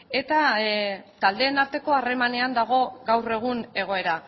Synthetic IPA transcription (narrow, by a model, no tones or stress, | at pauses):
e̞t̪a | t̪ald̪e̞ːnaɾt̪e̞ko̞are̞mane̞and̪aɣ̞o̞ɡawre̞ɣ̞une̞ɣ̞o̞e̞ɾa